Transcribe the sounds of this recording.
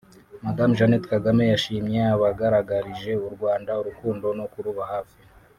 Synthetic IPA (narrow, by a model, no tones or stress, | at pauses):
madamʒanetkaɡame̞jaʃiːmɲe̞aβaɡaɾaɡaɾiʒe̞uɾɡwaːndauɾukuːndo̞no̞kuɾuβahaːfi̥